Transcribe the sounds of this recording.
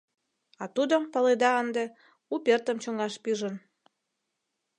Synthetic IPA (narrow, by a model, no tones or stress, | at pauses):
ɑt̪ud̪əmpəled̪ɑənd̪ĕ | upʲert̪əmt͡ɕoŋɑʃpiʒə̆n